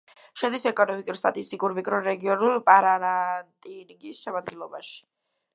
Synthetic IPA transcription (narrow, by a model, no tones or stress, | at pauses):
ʃɛd̪isɛkʼɔnɔmikʼuɾst̪ʼat̪ʼist̪ʼikʼuɾmikʼɾɔɾɛɡiɔnulˠpʼaɾaɾant̪ʼiniɡisʃɛmad̪̚ɡilˠɔbaʃi̥